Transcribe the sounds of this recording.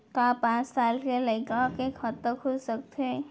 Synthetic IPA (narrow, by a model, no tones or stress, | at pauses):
kapãːt͡ʃsaːlkeləɪkakekʰət̪ːəkʰʊlsək̚t̪e